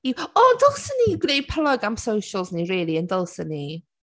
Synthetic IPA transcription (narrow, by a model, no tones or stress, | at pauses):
iwɔdəlˠsəniɡnej̚pʰəlˠɔɡamsowʃəlˠzniriːlˠiəndəlˠsəni